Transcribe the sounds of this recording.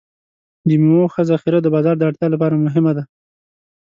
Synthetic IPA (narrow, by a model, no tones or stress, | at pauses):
d̪imumoxəzaxiɾad̪əbɑzɑɾd̪əaʈt̪jɑlapɑɾamʊɦɪmad̪a